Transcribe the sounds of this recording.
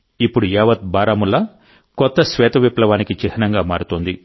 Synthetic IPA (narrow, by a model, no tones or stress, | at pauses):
ipːuɽujɛːʋɐt̪̚baːɾaːmulːɐ | kɔt̪ːɐsʋɛːt̪ɐʋiplɐʋaːnikit͡ʃiɦɐnɐŋɡaːma̰ːɾut̪oːnd̪i